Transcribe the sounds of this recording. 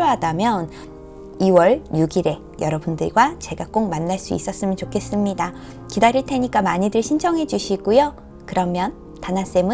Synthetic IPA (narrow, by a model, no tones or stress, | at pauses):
oɦadamjʌn | iwʌɭjuɡiɾe̞ | jʌɾʌbundɯɭɡwat͡ɕe̞ɡak͈ok̚manːaɭs͈uḭs͈ʌs͈ɯmjɯnt͡ɕokʰe̞s͈ɯmɲida | kidaɾiɭtʰe̞ɲik͈amaɲidɯɭɕʰind͡ʑʰʌŋɦe̞d͡ʑuɕʰiɡujo | kɯɾʌmjʌn | tanas͈e̞mɯ